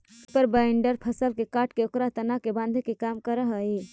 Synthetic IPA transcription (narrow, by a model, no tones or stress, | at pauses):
pəɾbaɳɖəɾpʰəsəlkekaʈkeokɾat̪ənakebãnd̪ʱekekamkəɾəɦəe